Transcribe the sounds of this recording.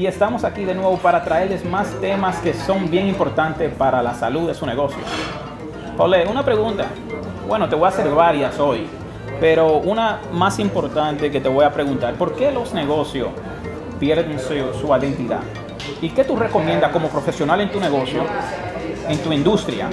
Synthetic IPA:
ie̞st̪amo̞sakiðe̞nwe̞βo̞paɾat̪ɾae̞ɾle̞zmast̪e̞maske̞so̞mbje̞ŋimpo̞ɾt̪ant̪e̞spaɾalasaluðe̞sune̞ɣo̞sjo̰ | paleunapɾe̞ɣunt̪a̰ | bwe̞no̞t̪e̞βo̞jase̞ɾβaɾjaso̞j | pe̞ɾounamasimpo̞ɾt̪ant̪e̞k̬e̞t̪e̞βo̞japɾe̞ɣunt̪aɾpo̞ɾke̞lo̞zne̞ɣo̞sjos | pje̞ɾðensusuaðent̪iða̰ð | ike̞t̪ure̞ko̞mjẽ̞nd̪ako̞mo̞pɾo̞fe̞sjo̞nale̞nt̪uneɣo̞sjo | e̞nt̪uind̪ust̪ɾja̰

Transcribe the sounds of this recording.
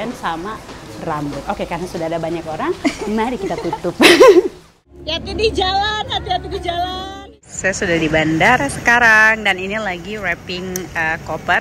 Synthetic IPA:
ansamarambʊt̪̚okekarnasudahadabaɲakoɾaŋmaɾikit̪at̪ut̪ʊp̚ | jat̪idid͡ʒalanhat̪iat̪idid͡ʒalaan | sajasudahdibandarsəkaɾaŋdaninilaɡiɾɛpɪŋəkopər

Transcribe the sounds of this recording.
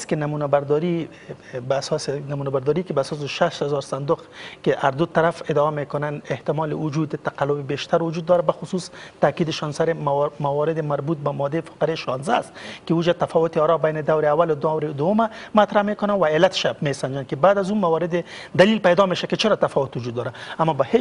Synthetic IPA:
skɪnamunabaɾd̪ɔɾi | basɔsnamunabaɾd̪ɔɾikɪbaːsɔs̬ɪʃaʃt̪hazɔɾsand̪ʊqkɪʔaɾd̪ʊt̪aɾafɪd̪ɔamekʊnaneht̪ɪmɔlɪwʊd͡ʒud̪ɪt̪aqalːʊbɪbeʃt̪aɾwʊd͡ʒud̪ːɔɾabaxʊsust̪akid̪ɪʃɔnsaɾɪmawɔɾɪd̪ɪmaɾbut̪̚bamɔd̪ːefḁqaɾeʃɑnzast̪kɪud͡ʒat̪afɔwʊt̪ɪɔɾɔbajnɪd̪awɾɪawːalʊd̪ʊawɾɪd̪ʊwʊmamat̪ɾamekʊnawaelːat̪ɪ̥ʃamesand͡ʒankɪbaːd̪azumawɔɾɪd̪ɪ | d̪alilpajd̪ɔmeʃakɪt͡ʃɪɾɔt̪afɔwʊt̪wʊd͡ʒud̪ːɔɾaamːɔbahe

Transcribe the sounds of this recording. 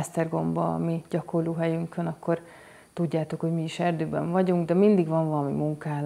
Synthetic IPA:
ɛst̪ɛrɡo̞mbɒ̰miɟɒkorloːɦɛjyŋkønɒkːo̞r | t̪uɟːaːt̪o̞kho̞ɟmiiʃɛrd̪øːbɛ̰ɱvɒɟuŋɡd̪ɛmind̪iɡʋɒɱvɒlɒmḭmuŋkaːl

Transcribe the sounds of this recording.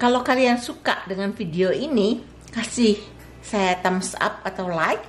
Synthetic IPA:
kalawkaliansuka̰ʔdəŋanfideoini | kasɪh | sajat̪amsa̰p̚at̪awlaik̚

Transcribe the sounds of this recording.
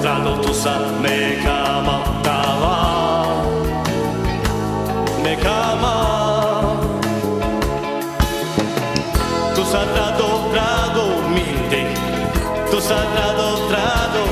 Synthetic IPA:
t̪ɾad̪ot̪usa | ne | kʰa | mã | t̪ama | nekʰama | t̪usat̪ɾad̪ot̪ɾad̪omit̪e | t̪usat̪ɾad̪ot̪ɾad̪o

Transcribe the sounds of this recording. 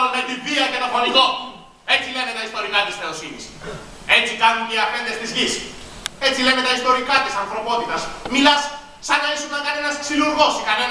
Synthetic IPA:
ɾunet̪iviɐʝet̪ɐfonit̪o | e̞t͡sile̞net̪ɐist̪o̞ɾikɐt̪isθe̞osinḭs | e̞t͡sikɐnunceɐfe̞nd̪e̞st̪izʝis | e̞t͡silemet̪ɐist̪o̞ɾikɐt̪isɐnθɾo̞po̞t̪it̪ɐsmilɐsː | ɐnɐisuŋɐŋkɐne̞nɐsksiluɾɣo̞sikɐne

